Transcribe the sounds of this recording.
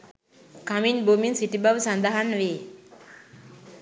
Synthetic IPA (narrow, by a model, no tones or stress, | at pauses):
kaminbominsiʈibaʋsand̪aɦanʋeː